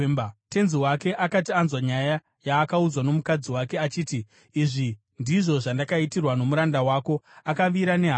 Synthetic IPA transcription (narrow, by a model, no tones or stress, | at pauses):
te̞nziwake̞ʔakatianzwaɲaja | jaːkaud͡zwano̞mukad͡ziwakeat͡ʃiːtiː | ʐi | ndiʐo̞ʐandakaitirwano̞muɾandawaːko̞akaʋiɾane̞ɦa